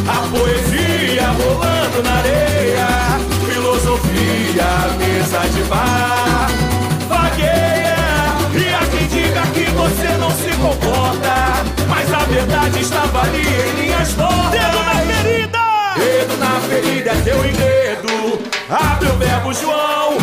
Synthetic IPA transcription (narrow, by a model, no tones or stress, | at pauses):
ɐpoezi | ɐvolɐ̃d̪ʊnaɾejɐ | filozofi | ɐmezɐd͡ʒɪva | vaɡejɐ | ɪakẽj̃d͡ʒiɡɐkɪvosenɐ̃w̃sɪkõpɔɾt̪ɐ | maznɐveɾd̪ad͡ʒɪɪʃt̪avaliẽj̃mĩɲɐsfɔd̪eafeɾid̪ɐed̪ʊnɐfeɾid̪ɐt̪ewĩɡɾed̪ʊabewbɛbʊʒuɐ̃w̃